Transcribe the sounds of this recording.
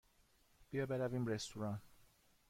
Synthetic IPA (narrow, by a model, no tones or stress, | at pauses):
b̥ijɒbeɾævimɾest̪uɾɑn